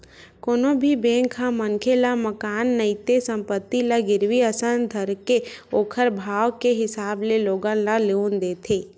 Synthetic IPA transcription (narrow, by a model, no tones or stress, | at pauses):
koːnõbʱibẽːŋkʰaməŋkʰelaməkaːnːəɪt̪esə̃mpət̪ːilaɡɪɾʋiəsənd̪ʱəɾkeoːkʰəɾbʱaːwkeɦɪsaːbleloːɡãlaleːnd̪eːt̪ʰeː